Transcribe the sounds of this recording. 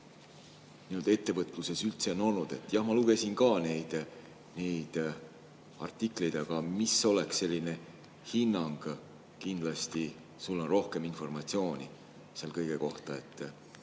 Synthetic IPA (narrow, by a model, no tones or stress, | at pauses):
niuld̪e̞t̪ːe̞vɤt̪ːˑluse̞sylt̪se̞ono̞lnud̪̥e̞t̪ːˑjɑhmɑluɡe̞sinkɑːne̞jd̪̥ | ne̞jd̪̥ | ɑ̰rt̪ˑːikˑlejd̪ɑɡ̥ɑmisːo̞le̞ksːe̞lʲːine̞ | hinːɑŋɡ̥ | kind̪̥lɑst̪i | sulːɑnro̞hke̞minfo̞rmɑt̪sio̞ːnʲḭ | selkɤjɡ̥e̞ko̞ht̪ɑe̞t̪ː